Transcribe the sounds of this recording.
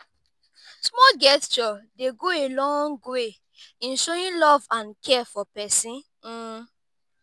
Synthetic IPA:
smɔɡɛst͡ʃɔdeɡoelɔ̃ŋɡwe | ĩnʃojĩlɔvãnkʰɛfɔpɛsĩn̩

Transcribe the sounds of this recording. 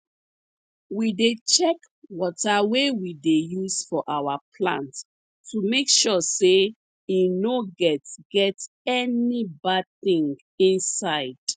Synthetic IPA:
widet͡ʃɛk | wɔtawewidejusfɔʔawapʰlã̰nt | tumekʃɔse | inoɡɛtɡ̥ɛt | ɛnibad̚θĩŋɡ | ĩnsaɪd̥

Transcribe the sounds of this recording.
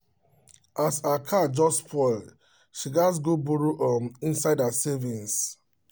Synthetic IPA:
asakʰad͡ʒɔspʰɔl | ʃiɡas̬ɡobuɹoʔɔmĩnsaɪdasevĩns

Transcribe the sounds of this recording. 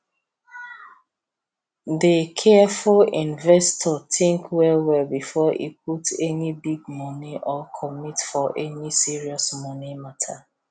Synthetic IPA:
dekʰɛfulĩnvɛstʰɔtĩŋkwɛwɛlbifɔʔḭp̚ʰutɛnibiɡ̚mɔniʔɔkʰɔmitfɔʔɛnisiɹiɔsmɔnimatʰa

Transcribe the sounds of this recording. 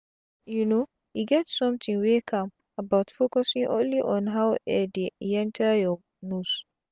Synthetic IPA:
juno | iɡɛtsɔ̃mtĩŋwekʰãm | abaʊtfokɔsĩŋʔõ̰nliʔɔ̃nɦawɛdeɛ̃ntʰəjɔ | nus

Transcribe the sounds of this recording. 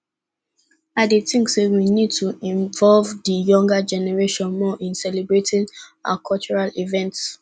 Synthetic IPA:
adetĩŋksewinid̚tʰuĩɱvɔlvðəjɔ̃ŋɡad͡ʒɛnɛɹeʃɔ̃nmɔʔĩnsɛlebɹetĩŋa̰kʰɔlt͡ʃɔɹalivɛ̃nts

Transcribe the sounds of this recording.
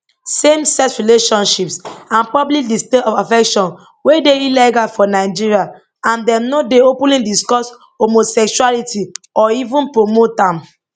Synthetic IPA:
sẽmsɛsɹileʃɔ̃nʃipsãnpɔblik̚disteɔfafɛkʃɔ̃n | wedeilɛɡafɔnaɪd͡ʒiɹia | ãndɛmnodeopũlĩdiskɔs | homosɛkʃualitʰiɔivũnpɹomotãm

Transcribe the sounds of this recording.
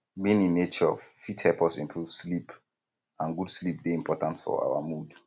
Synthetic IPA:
bĩnĩnːet͡ʃəɔ̰vfithɛlpɔsĩmpʰɹuv̥slip | ãnɡud̥slip̚deĩmpʰɔtãntfɔ̰a̰wa̰mud

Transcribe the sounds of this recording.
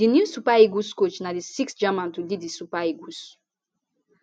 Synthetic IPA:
dinjusupaiɡuskot͡ʃnadisiksd͡ʒamãntulidisupaiɡus

